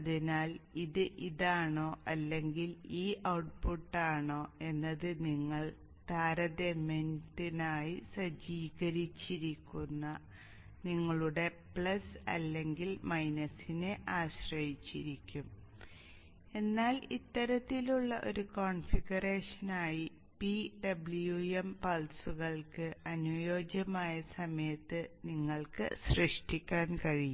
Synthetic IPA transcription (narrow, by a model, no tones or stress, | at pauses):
ɐðinaːliðɨʔiðaːɳo̞ːʔɐlːe̞ŋɡiliːʔɐwʈ̚puʈːaːɳo̞ːe̞nːɐðɨniŋːɐɭ | t̪aːɾɐd̪emenʈinaːjisɐd͡ʑiːɣɐɾit͡ɕːiɾikʲːunːɐ | niŋːɐɭuɽe̞ | pɭɐsɐ̰lːe̞ŋɡilmɐjnɐsine̞ʔaːɕrɐjit͡ɕːiɾikʲːum | e̞nːaːlit̪ːɐɾɐt̪ːiluɭːɐʔo̞̰ɾukoːɳfiɡɐre̞ːʂɐnaːji | piɖɐbɭjuempɐlsuɣɐɭkɨɐnujoːd͡ʑɐmaːjɐsɐmɐjɐt̪ːɨniŋːɐɭkɨ̰ɕrɨʂʈikʲːaːnkɐɻiju